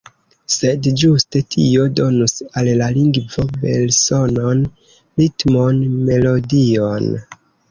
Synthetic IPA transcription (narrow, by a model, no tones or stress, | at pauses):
se̞dd͡ʒuste̞tʰio̞do̞nusalːaliŋɡvo̞be̞̰lsono̞n | ɾitmonme̞lo̞dion